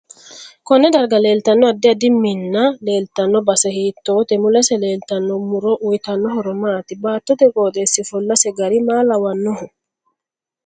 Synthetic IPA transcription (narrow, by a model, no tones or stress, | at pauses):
kɔnːɛd̪ɐɾɡɐleːlt̪ɐnːɔɐd̪ːɛɐd̪ɪmːinːaleːlt̪ɐnːɔbɐsɛhiːt̪ːoːt̪ɛmʊlɐsɛleːlt̪ɐnːɔmʊɾɔʔujt̪ɐnːɔɦɔɾɔmaːt̪ɪbaːt̪ːɔt̪ɛkʼoːt̪ʼeːsːɪfɔlːɐsɛɡɐɾimaːlɐwɐnːɔhʊ